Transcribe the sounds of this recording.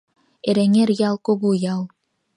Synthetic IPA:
eɾeŋerjɑlˠkoɣujɑlˠ

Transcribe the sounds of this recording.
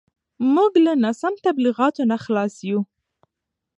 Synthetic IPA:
muɡlanasamt̪abliɣɑt̪onaxlɑsju

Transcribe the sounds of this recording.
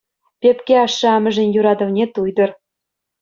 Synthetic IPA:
pʲepkʲeɑʃːɤ̆ɑmɤ̆ʒɘ̆njuɾɑd̪ɤ̆vnʲet̪ujd̪ɤ̆r

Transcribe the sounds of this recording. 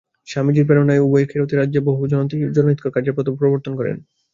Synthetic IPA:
ʃamid͡ʑiɾpeɾonaeuboekʰeɾot̪eɾadʑeboɦud͡ʑɔnont̪id͡ʑɔnoɦit̪kʰokaɾd͡ʑeɾpɔt̪opɾoboɾt̪onkɔɾḛn

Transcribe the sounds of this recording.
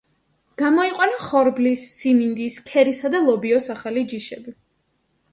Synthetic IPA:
ɡ̥amɔiqʼwanaχɔɾblisːimind̪iskʰɛɾisad̪alˠɔbiɔsaχalid͡ʒiʃɛbi

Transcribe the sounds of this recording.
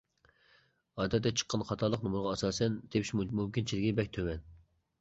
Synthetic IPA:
ɑd̪ɛt̪ːɛt͡ʃʰə̥qʰːɑnχɑt̪ʰɑlˠəqnumuɾʁɑɑsɑːsɛnd̪̥epi̥ʃmmumkʲint͡ʃʰilɪɡʲibɛk̚ʲt̪ʰøwɛn

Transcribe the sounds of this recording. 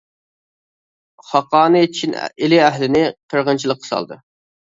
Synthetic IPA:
χɑqɑːnɨt͡ʃʰin̰elɪæɦlɪnɪqʰəɾʁənt͡ʃʰilˠəqʰːə̥sɑ̰lˠd̪ɨ

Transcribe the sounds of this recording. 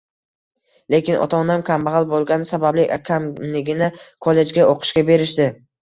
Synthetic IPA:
le̞kʲɪnʔɒ̰t̪ʰɒnamkʲʰambaʁalˠbolˠɡʲanɪsabablɪʔakʲʰamlɪɡʲɪnɪkʰolˠːe̞d͡ʒɡʲaoqʰɨ̥ʃɡʲabe̞ɾɪʃd̪ɪ

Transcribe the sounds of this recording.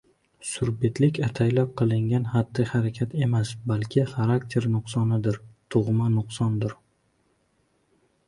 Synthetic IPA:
sʊɾbet̪ʰlɪkʲat̪ʰajlap̚qʰɨlˠɪŋɡʲanhad̪ːɪχaɾakʲʰat̪ʰe̞masbalkʲʰɪχaɾakt̪ʰe̞ɾnʊqsɒnɪd̪ɪɾt̪ʰʊʁmanʊqsɒnd̪ɪɾ

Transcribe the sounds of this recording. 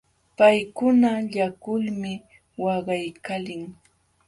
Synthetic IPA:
pajkʊnaʎakʊlmɪ | wɑɢɑjkalɪŋ

